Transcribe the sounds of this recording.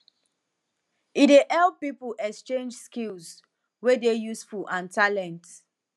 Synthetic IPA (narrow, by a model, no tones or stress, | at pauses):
ideʔɛlpipuʔɛkst͡ʃẽnd͡ʒskilz | wedejusfuʔãntʰalɛ̃nt